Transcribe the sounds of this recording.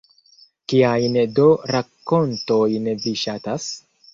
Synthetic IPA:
kiajndo̞ɾakːo̞nto̞jnviʃatas

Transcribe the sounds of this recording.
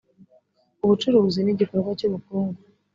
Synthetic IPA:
uβut͡ʃuɾuːziniɟiko̞ɾɡwacuβukuːŋɡu

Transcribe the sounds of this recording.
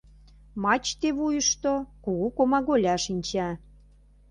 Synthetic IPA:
mɑt͡ɕt̪eβujəʃt̪okuɣukomɑɣolʲɑʃinʲt͡ɕæ

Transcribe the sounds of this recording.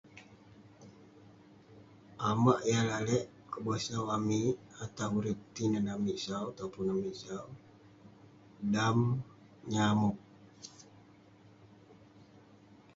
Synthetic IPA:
ʔamaʔijalalɛʔ | kəbasawamiat̪awuɾipt̪inanamisawt̪aupʊnamiʔsaw | dam | ɲamʊk̚

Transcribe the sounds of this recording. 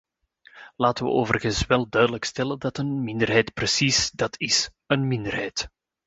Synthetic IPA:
laːtəʋə̰oːvərɣənsʋɛlˠdœɥdələkstɛləndɑtənmɪndərɦɛjtprəsisdɑtʰɪs | ənmɪndərɦɛjt

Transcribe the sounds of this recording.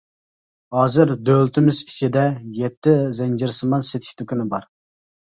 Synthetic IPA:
hɑːzɪɾd̪ølt̪ʰɪmɪzit͡ʃʰid̪ɛjɛt̪ʰːɪzɛnd͡ʒɪɾsɨmɑnset̪ʰɪ̥ʃt̪ʰykʲynɪbɑɾ

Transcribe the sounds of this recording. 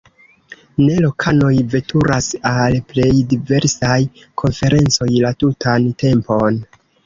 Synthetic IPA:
ne̞lo̞kʰano̞jve̞tʰuɾasalple̞jdive̞ɾsaj | kʰo̞nfe̞ɾʔe̞nt͡so̞jlatutʰante̞mpo̞n

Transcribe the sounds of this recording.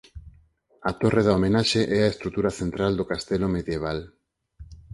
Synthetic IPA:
at̪oreðaomẽnaʃeʔɛaest̪ɾut̪uɾaθent̪ɾald̪okast̪elomeðjeβ̞al

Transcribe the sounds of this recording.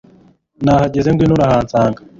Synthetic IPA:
naːhaɟezeŋɡwinuɾahaːnt͡saːŋɡa

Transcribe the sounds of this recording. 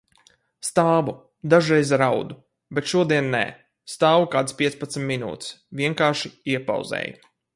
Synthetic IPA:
st̪aːvu | d̪aʒɾɛjzɾawd̪u | bɛt̪ʃuɔd̪iɛnːɛ̰ː | st̪aːvukaːd̪spʲiɛspat̪smʲːinṵːt̪svʲiɛŋkaːɾʃiiɛpa̰wzɛ̰ːj

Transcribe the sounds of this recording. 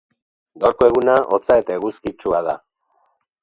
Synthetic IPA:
ɡaɾkoe̞ɣunaʔot͡saet̪aeɣuskit͡ʃuað̞a

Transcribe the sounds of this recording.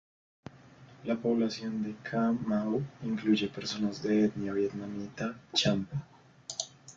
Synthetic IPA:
lapo̞βlasjo̞nd̪e̞kʰamawiŋkluʝe̞peɾso̞nazd̪eet̪njaβjet̪nanit̪at͡ʃampa

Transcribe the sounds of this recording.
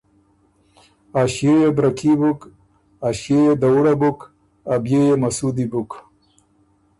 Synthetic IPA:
aɕjejebɾakibuk | aɕjejed̪awuɽabuk | abjejemɐsud̪ibuk

